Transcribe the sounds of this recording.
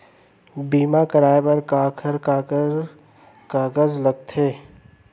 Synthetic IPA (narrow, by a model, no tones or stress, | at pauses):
biːmakəɾaːepɐɾkaːkʰəɾkaːkəɾ | kaːɡəzlɐɡ̚t̪ʰeː